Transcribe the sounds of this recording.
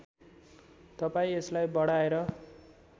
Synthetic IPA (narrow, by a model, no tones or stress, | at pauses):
t̪ʌpaĩeslajbʌɽaeɾʌ